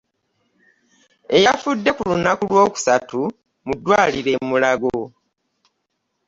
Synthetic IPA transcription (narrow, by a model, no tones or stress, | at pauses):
e̞jafudːe̞kulunakulwo̞ːku̥satu | mudːwaːliɾe̞mulaɡo